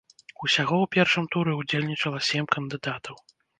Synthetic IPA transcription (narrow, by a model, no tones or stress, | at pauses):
usʲaɣɔwpʲɛrʂɨmt̪uɾɛud͡zʲelʲnʲit͡ʂɐlˠɐsʲɛmʲkɐnd̪ɨd̪at̪ʰɐw